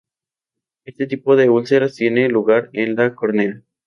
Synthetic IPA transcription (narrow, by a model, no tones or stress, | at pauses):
e̞st̪et̪ipoðe̞ulseɾast̪je̞neluɣaɾenlakoɾnela